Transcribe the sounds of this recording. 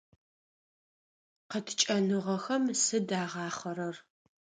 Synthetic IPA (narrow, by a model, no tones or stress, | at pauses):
qətʰt͡ʃʼɐnɨʁɐxɐmsɨdaːʁɑːχɐɾɐr